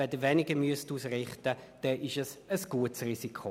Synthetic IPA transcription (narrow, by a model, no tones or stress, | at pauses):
ɛdəʋɛnɪɡəmyəstuːsrɪχtəd̥ɛʔɪʃəsəsɡ̥uətsrisikʰo